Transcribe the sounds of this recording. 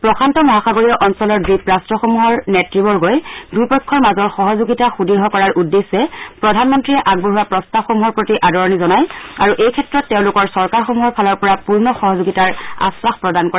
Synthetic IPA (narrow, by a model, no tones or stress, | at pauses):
pɹɔkʰantɔmɔɦaxaɡoɹiɔʔɔnsɔlɔɹdɹipɹastɹɔxomuɦɔɹnɛtɹibɔɹɡojdupɔkʰːɔɹmazɔɹxɔɦɔzoɡitaxudiɹɦɔkɔɹaɹudːesɛpɹɔdʱanmɔntɹiɛʔaɡ̚bɔɦuwapɹɔstabxomuɦɔɹpɹotiʔadɔɹɔnizɔnajaɹuʔejkʰɛtɹɔtːɛʊ̃lʊkɔɹsɔɹkaɹxomuɦɔɹpʰalɔɹpɔɹapuɹnɔxɔɦɔzoɡitaɹa̰swaxpɹɔdankɔɹa